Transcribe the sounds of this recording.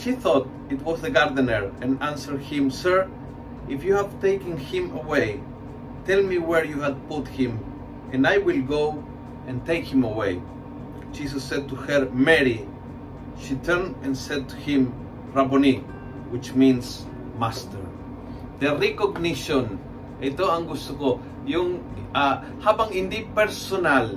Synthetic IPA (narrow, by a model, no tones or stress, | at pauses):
ʃiθɔt̪ | it̪wɔzðəɡaɾdənəɹɛ̃nãnsəɹdhɪ̃msɜɹ | ifjuhævt̪ejkɨ̃nhɪ̃məwej | t̪ɛlmiwəɹjuhad̚put̪hɪ̃m | ɛ̃najwilɡow | ɛ̃nt̪ejkhɪ̃məwej | d͡ʒisəsːɛd̪̚t̪uhəɹmɛɾi | ʃit̪ʰɛɹndɛ̃nsɛd̪̚t̪u̥hɪ̃m | ɹaboni | wɪt͡ʃmĩns | mast̪əɹ | d̪erikoɡniʃõn | ejt̪oãŋɡust̪uko | juŋ | a | hapãŋɪ̃nd̪ipɛɾsonal